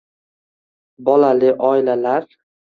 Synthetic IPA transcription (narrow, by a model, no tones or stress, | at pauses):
bɒlalɪʔɒɪlalaɾ